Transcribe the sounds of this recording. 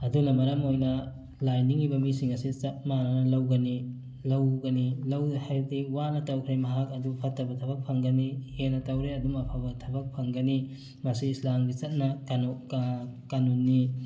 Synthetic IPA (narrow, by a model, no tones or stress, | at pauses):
ɐdunɐmɐɾɐmojnɐ | lajniŋibɐmisiŋɐsit͡ʃɐt̚manɐnɐlɐwɡɐni | lɐwɡɐnilɐwhajdewanɐtɐwkʰɾemɐɦak̚ɐdupʰɐtːɐbɐtʰɐbɐk̚pʰɐŋɡɐnihenɐtɐwɾeɐdumɐpʰabɐtʰɐbɐk̚pʰɐŋɡɐni | mɐsiːslamɡit͡ʃɐt̚nɐkanokkanunːi